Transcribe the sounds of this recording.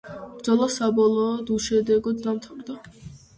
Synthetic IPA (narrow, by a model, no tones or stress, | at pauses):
bd̪zɔlˠasabɔlˠɔːd̪uʃɛd̪ɛɡɔd̪d̪amt̪ʰavɾd̪a